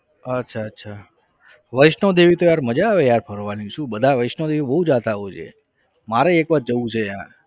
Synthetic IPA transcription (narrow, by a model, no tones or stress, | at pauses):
ətːʃʰaətːʃʰa | ʋəjʃnod̪eʋit̪ojaɾməd͡ʒaːʋejaɾpʰəɾʋanĩʃũbəd̪ʱaʋəʃnod̪eʋibəɦud͡ʒat̪aɦojt͡ʃʰḛ | maɾeekʋat̪̚d͡ʒəʋũt͡ʃʰeã̰